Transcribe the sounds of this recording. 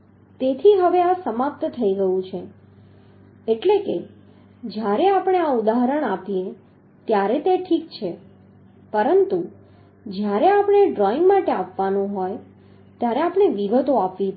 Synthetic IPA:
t̪et̪ʰiɦəʋeasəmap̚t̪ət̪ʰəiɡəjũt͡ʃʰe | eʈleke | d͡ʒjaɾeapəɽ̃eaud̪aɦɾəɽ̃apie | t̪jaɾet̪eʈʰik̚t͡ʃʰe | pəɾənt̪u | d͡ʒjaɾeapɳ̃eɖɾɔiŋɡmaʈeapʋanũɦoj | t̪jaɾeapɳ̃eʋiɡət̪oapʋi

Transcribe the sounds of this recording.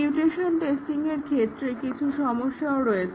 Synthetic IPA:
uʈeʃonʈesʈiŋeɾkʰet̪ːɾekit͡ɕʰuʃɔmoʃːaoɾɔe

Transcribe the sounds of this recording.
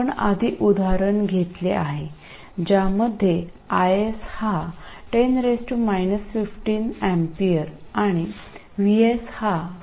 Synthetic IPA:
əɳa̰d̪ʱiʔud̪aɾəɳɡʱet̪leʔaɦe | d͡ʑaməd̪ʱːje | ajeshaʈenɾesʈumajnəsfifʈiːnɛmpiəɾaɽ̃i | ʋiesha

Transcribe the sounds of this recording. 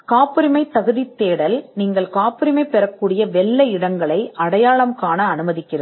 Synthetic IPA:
kaːpːɯɾɪmɐɪt̪ɐɣɯðɪt̪ːeːɽɐlniːŋɡɐɭkaːpːɯɾɪmɐɪpːɛɾɐkːuːɽɪjɐʋɛɭːɐɪɽɐŋɡɐɭɐɪʔɐɽɐjaːɭɐmkaːnɐːnɯmɐðɪkːɪrɐ

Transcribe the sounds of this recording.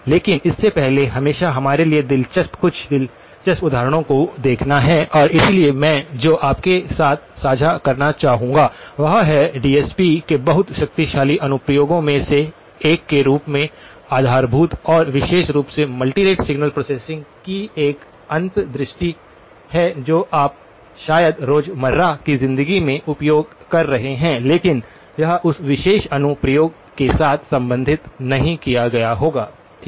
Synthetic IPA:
leːkɪnɪsːepɛɦleɦɐmeːʃaɦɐmaːɾelied̪ɪlt͡ʃɐspkʊt͡ʃʰd̪ɪl | t͡ʃɐspʊd̪ʱaːɾəɽ̃õkod̪eːkʰnaɦɛʔɔːɾɪsiliemɛ̃ːd͡ʒoːʔaːp̚kesaːt̪ʰsaːd͡ʒʱakɐɾnat͡ʃaːɦũːŋɡaʋɐɦaɦɛɖiːɛːspikebɐɦʊt̪ʃɐk̚t̪iʃaːliʔɐnʊpjoːɡõmẽse | eːkːeɾuːpmẽ | aːd̪ʱaːɾbʱuːt̪ɔːɾʋɪʃeːʃɾuːpsemɐlʈiɾeːʈsɪɡnəlpɾoːseːsɪ̃ŋɡkieːk | ɐ̃nt̪d̪ɾɪʃʈi | hɛd͡ʒoːʔaːp̚ | ʃaːjəd̪ɾoːd͡ʒmɐɾːakizɪ̃nd̪əɡimẽʔʊpjoːɡ | kɐɾːɐɦeɦɛ̃leːkɪn | jɐɦãʔʊsʋɪʃeːʃɐnʊpɾəjoːɡ | kesaːt̪ʰsɐ̃mbə̃nd̪ʱɪt̪nɐɦĩkijaɡɐjaɦoːɡaː

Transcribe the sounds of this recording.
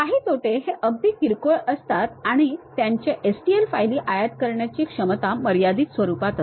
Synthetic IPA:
kaɦiːt̪oʈeɦeʔəɡ̚d̪iːkiɾkoɭəst̪at̪aɽ̃it̪jaɲt͡ɕeʔesʈielfajliːʔajat̪kəɾɳjat͡ɕiːkʂəmt̪aməɾjad̪iːt̪sʋəɾupat̪at̪

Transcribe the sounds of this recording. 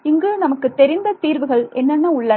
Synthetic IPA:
ɪŋɡɯnɐmɐkːɯt̪ːɛɾɪnd̪ɐt̪iːɾʋɯɣɐɭɛnːɐnːɐʊɭːɐ

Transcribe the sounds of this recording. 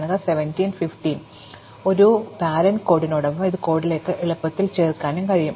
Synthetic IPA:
ɳːɐðaseʋɐntiːnfifʈin | o̞ɾubaːɾɐnko̞ːɽinoːɽɐʋːɐmiðɨko̞ːɽile̞ːkːɨʔiɭɐpːɐt̪ːilt͡ɕe̞ːrkaːnumkɐɻijum

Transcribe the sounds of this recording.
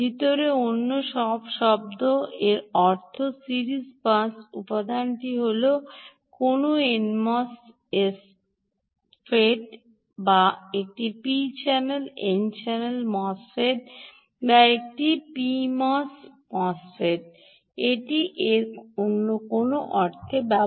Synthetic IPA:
bʱit̪oɾeonːoʃɔbʃɔb̚d̪oʔeɾɔɾt̪ʰosiɾispasupad̪anʈiɦolo | konoenmɔs | es | feɖ | baek̚ʈipit͡ɕɛnelent͡ɕɛnelmɔsfeʈ | baek̚ʈipimɔsmɔsfʰeʈ | eʈiʔeɾonːokonoʔɔɾt̪ʰebɛ

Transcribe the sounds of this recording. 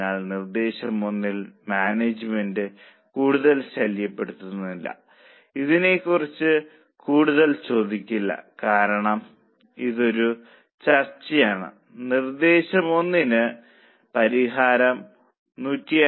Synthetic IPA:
aːɭnird̪e̞ːɕɐmo̞nːilmaːneːd͡ʑɨmendɨ | kuːɽuðɐlɕɐljɐpːe̞ɽut̪ːunːilːɐ̰ | iðine̞kːurit͡ɕːɨ | kuːɽuðɐlt͡ɕo̞ːd̪ikʲːilːɐ̰kaːɾɐɳɐm | iðo̞ɾu | t͡ɕɐrt͡ɕɐjaːɳɨ̰ | nird̪e̞ːɕɐmo̞nːinɨ | pɐɾiɦaːɾɐm | nuːtːij

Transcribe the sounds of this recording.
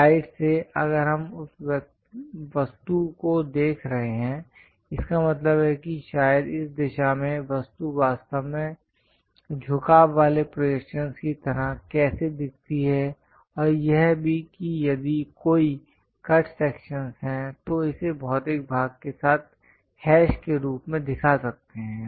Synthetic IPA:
aːɪʈseɐ̰ɡəɾɦɐmʊsʋ | ʋɐst̪ukod̪eːkʰɾɐɦeɦɛ̃ | ɪskamɐt̪ləbɦɛkiʃaːjəd̪ɪsd̪ɪʃamẽʋɐst̪uʋaːst̪əʋmẽ | d͡ʒʱʊkaːaːlepɾoekʃənskit̪ɐɾəkɛːsed̪ɪk̚ʰt̪iɦɛ | ɔːɾjɛɦbʱikijɐd̪ikoːi | kɐʈʰsɛːkʃənsɦɛ̃t̪oɪsebɔɦt̪eːk̚bʱaːɡ̚kesaːt̪̚ʰ | hɛːʃkeɾuːpmẽd̪ɪkʰasɐk̚t̪eɦɛ̃ː

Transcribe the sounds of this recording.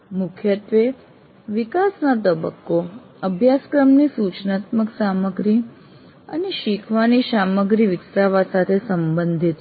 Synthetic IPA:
mʊkʰjət̪ʋe | ʋikasnat̪əbə̰kːo | əbʱjaskɾəmnisut͡ʃnat̪məksaməɡɾi | ə̰neʃikʰʋaniʃaməɡɾiʋiksɾaʋasat̪ʰesəmbənd̪ʱit̪

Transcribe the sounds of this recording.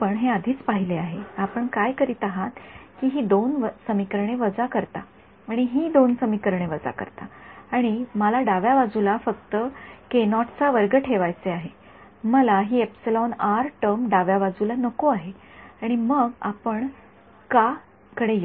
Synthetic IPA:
pəɳɦeəd̪ʱiːt͡spaɦileaɦeapəɳkajkəɾiːt̪əɦat̪kiɦiːd̪onʋəsəmikəɾɳeʋəd͡zakəɾt̪a | aɽ̃iɦiːd̪onsəmikəɾɳeʋəd͡za̰kə̰ɾt̪aaɽ̃iməlaɖaʋjaʋad͡zulafəkt̪əkenɔʈt͡saʋəɾɡəʈʰeʋajt͡seaɦe | məlaɦiːepselɔnaɾʈəmɖaʋjaʋad͡zulanəkoaɦe | aɽ̃iməɡapəɳ | ka | kəɽej

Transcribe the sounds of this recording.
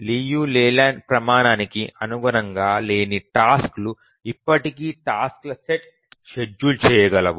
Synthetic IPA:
liːjuːleːlaːɳɖpɾɐmaːnaːnikiʔɐnuɡuɾɐŋɡaːleːniʈaːsklu | ipːɐʈikiːʈaːsklɐseʈ̚ | ʃed͡ʒːult͡ʃɛːjɐɡɐlɐʋu

